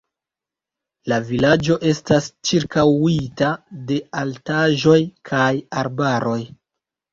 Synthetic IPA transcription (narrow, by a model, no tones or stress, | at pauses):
lavilad͡ʒo̞ʔe̞stast͡ʃiɾkawitade̞altaʒo̞jkʰajaɾbaɾo̞j